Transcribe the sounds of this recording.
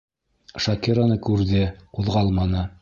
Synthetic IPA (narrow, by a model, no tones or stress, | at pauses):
ʃɑkiɾanɤkʉɾðɘquðʁɑlˠmɑnɤ